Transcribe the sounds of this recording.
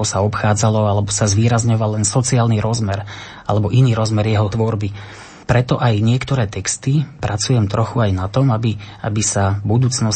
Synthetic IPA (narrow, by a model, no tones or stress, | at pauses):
ɔsaɔpxaːd͡zalɔalɛbɔsazʋiːɾazɲɔʋalːɛnsɔt͡siaːlniɾɔzmɛɾ | a̰lɛbɔʔiniːɾɔzmɛɾjɛɦɔt̪ʋɔɾbi | pɾɛt̪ɔʔajɲɪɛkt̪ɔɾɛːt̪ɛkst̪ipɾʔat͡sujɛmt̪ɾɔxuajnat̪ɔmabia̰bisabud̪uːt͡snɔ